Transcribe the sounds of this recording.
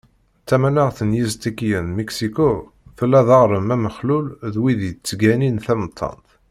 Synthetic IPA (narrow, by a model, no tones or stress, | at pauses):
t͡sːæmænəʁθənjizt̪ikjənmeksiko | θəlːæðɑʁɾˤəmæməχlulðwiðit͡sːəɡæninθæmət̪ˤʰːɑ̰nt̪